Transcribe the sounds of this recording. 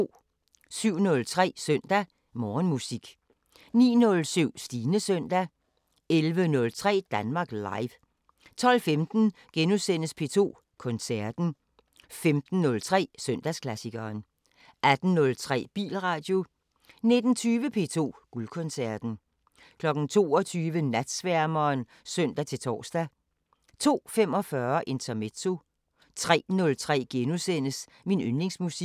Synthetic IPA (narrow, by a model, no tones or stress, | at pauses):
syʊ̰nɔ̽lt͡sʰʁɛ̰ːsœn̰d̥æ | mɒːnmusiɡ̥ | nḭːnɔ̽lsyʊ̰sd̥iːnəsœn̰d̥æ | elʋənɔ̽lt͡sʰʁɛ̰ːd̥ænmɑ̈ːɡ̥lɑ̈ɪʋ | t͡sʰɒ̽l̰femd̥n̩ɡ̥enusen̰əspʰe̝ːt͡sʰo̝̰ː | kʰɒ̽nsæɐd̥n̩ | femd̥n̩ːɔ̽lt͡sʰʁɛ̰ːsøn̰d̥æskʰlæsiɡ̥ɐːn | ʔæd̥n̩ːɔ̽lt͡sʰʁɛ̰ːb̥ḭːlʁɑ̈ːd̥jo̝ | ne̝d̥n̩t͡sʰyːʋəpʰe̝̰ːt͡sʰo̝̰ːɡ̥ulkʰɔ̽nsæɐd̥n̩ | kʰlɒ̽ɡ̥n̩t͡sʰo̝̰ːɒt͡sʰyːʋənæd̥sʋæɐmɐːn | sœn̰d̥æt͡sʰe̝lt͡sʰɒ̰ːsd̥æ | t͡sʰo̝̰ːfem̰ɒ̽fɶɐʔe̝nt͡sʰɐme̝t͡sʰo̝ | t͡sʰʁɛ̰ːnɔ̽lt͡sʰʁɛ̰ːɡ̥enusen̰əs | minønle̝ŋsmusi̥